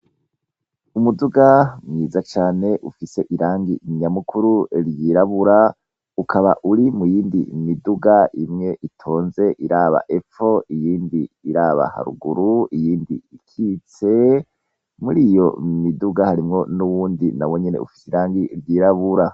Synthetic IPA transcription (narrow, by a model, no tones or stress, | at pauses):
umuduɡamŋiːzat͡ʃaːne̞ʔufise̞ʔiɾaːŋɡiɲamukʰuɾuɾjiːɾaβuɾa | ukʰaβa̰ʔuɾimujiːndḭmiduɡaʔimŋe̞ʔitʰo̞ːnze̞ʔiɾaːβa̰ʔe̞fo̞ijiːndiːɾaːβa̰ha̰ɾṵɡuɾuijiːndḭikʰit͡se̞ | muɾiːjo̞miduɡahaɾimŋo̞nuwuːndinawo̞ɲenḛṵfi̥seiɾaːŋɡiɾjiːɾaβuɾa